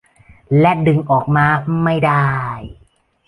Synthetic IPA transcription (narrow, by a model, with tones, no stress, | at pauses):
lɛ˦˥dɯ˧ŋʔɔː˨˩k̚maː˧ma˥˩jdaː˥˩j